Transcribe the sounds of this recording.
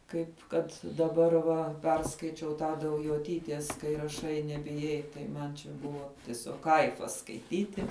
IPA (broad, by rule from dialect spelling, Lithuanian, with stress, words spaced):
ˈkɐɪp kɐt dɐˈbɐr ʋɐ ˈpʲɛrskɐɪt͡ʃʲɛʊ tɑː dɐʊjoːˈtʲiːtʲeːs kɐɪ rɐˈʃɐɪ nʲɛbʲɪˈjɛɪ tɐɪ ˈmɐn t͡ʃʲɛ ˈbʊʋoː tʲɪˈsʲoːk ˈkɐɪfɐs skɐɪˈtʲiːtʲɪ